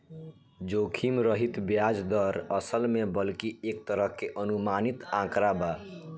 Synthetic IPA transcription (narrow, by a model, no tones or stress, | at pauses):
d͡ʒokʰimɾəɦit̪bjad͡ʒd̪əɾəsəlmebəlkiek̚t̪əɾəɦkeʔənumanit̪ãkɾaba